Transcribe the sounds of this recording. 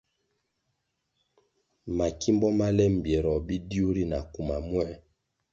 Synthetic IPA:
ma˨ki˦mbɔ˦ma˦lɛ˦m̩˨bjɛ˨ɾɔ˨bi˦di˦u˦ɾi˦na˨ku˨ma˨mwɛ˦

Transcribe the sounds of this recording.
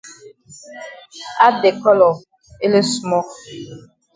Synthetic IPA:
a˦de˨kɔ˦lɔ˨ | e˦le˦su˦mɔ˦

